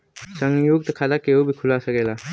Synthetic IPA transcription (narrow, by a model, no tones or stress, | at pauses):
sɐŋjuk̚dɐkʰadakeubikʰulasaɡela